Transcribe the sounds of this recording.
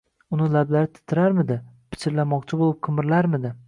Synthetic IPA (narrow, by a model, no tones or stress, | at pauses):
ʊnɪlablaɾɪt̪ʰɪ̥t̪ʰːɪɾaɾmɪd̪ɪ | pʰɪ̥t͡ʃʰɪɾlamɒqt͡ʃʰɪbolˠɪp̚qʰɨmɪɾlaɾmɪd̪ɪ